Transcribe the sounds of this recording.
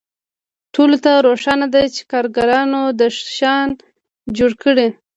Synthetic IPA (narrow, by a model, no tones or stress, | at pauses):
ʈolot̪aɾoʂɑnad̪ajt͡ʃe̥kɑɾɡaɾɑnod̪əʃʃɑn | d͡ʒoɽkəɽi